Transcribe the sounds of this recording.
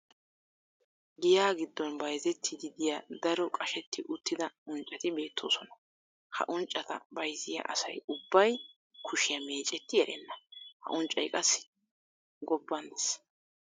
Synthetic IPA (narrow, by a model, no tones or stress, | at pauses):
ɡɪjaːɡɪd̪ːɔnbɐjzɛt̪ʰːɪd̪ɪd̪ɪjad̪ɐɾɔkʼɐʃɛt̪ːɪʔʊt̪ːɪd̪ɐʊnt͡ʃʼːɐt̪ɪbe̞ːt̪ʰːo̞̰ːsɔnɐ̥ | hɐ̰ʔʊnt͡ʃʼːɐt̪ɐ̰bɐjzɪjɐ̰ʔɐ̰sɐ̰jʊbːɐj | kʰʊʃɪjɐme̞ːt͡ʃʼɛt̪ːɪjɐʔɛnːɐhɐ̰ʔʊnt͡ʃʼːɐ̰jkʼɐsɪ̥ | ɡɔbːɐnd̪ɛs